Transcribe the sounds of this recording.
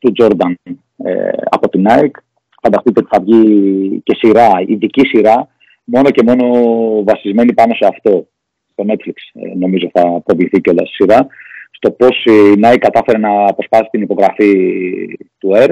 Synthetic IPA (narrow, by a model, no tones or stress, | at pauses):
t̪ud͡ʒo̞ɾd̪ɐn | ḛɐ̰po̞t̪inɐik | fɐnd̪ɐst̪it̪eo̞t̪i̥θɐvʝice̞siɾɐiðicisiɾɐ | mo̞no̞ce̞mo̞no̞vɐsizme̞nipɐno̞se̞ɐft̪o̞ | st̪o̞ne̞t̪fliksno̞mizo̞θɐpɾo̞vliθiceo̞lɐsi̥siɾɐst̪o̞po̞sinɐikːɐt̪ɐfe̞ɾenɐpɾo̞spɐsi̥t̪inipo̞ɣɾɐfi | t̪ueɾ